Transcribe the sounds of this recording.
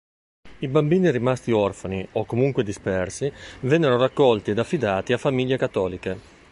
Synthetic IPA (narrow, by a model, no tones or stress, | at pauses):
ibambiːniɾimast̪iɔrfaniokːomuŋkwed̪ispɛrsivɛnːeɾorakːɔlt̪ied̪afːid̪aːt̪iafːamiljekat̪ːɔːlike